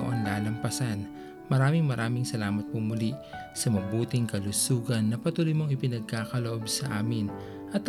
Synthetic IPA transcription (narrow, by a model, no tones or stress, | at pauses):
ʔonlaːlɐmpɐsan | mɐɾaːmɪŋmɐɾʔaːmɪŋsɐlaːmɐt̪̚pʊmʊli | sɐmɐbuːt̪ɪŋkɐlʊsuːɡɐnːɐpɐt̪uːlojmoŋɪpɪnɐɡ̚kaːkɐloʔo̞bsɐʔaːmɪn | ʔɐt̪